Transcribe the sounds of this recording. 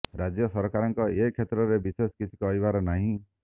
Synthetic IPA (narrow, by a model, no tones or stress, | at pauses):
ɾad͡ʒjɔsɔɾkaɾɔŋkɔekʰet̪ɾɔɾebiseskit͡ʃʰi̥kɔɦjbaɾɔnaɦĩ